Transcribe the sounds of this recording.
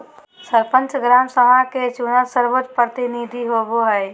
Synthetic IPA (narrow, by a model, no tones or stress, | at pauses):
səɾpə̃nt͡ʃɡɾaːmsəɦaket͡ʃunəsəɾʋot͡ʃpɾət̪iniːd̪ʱiɦoboɦɛɪ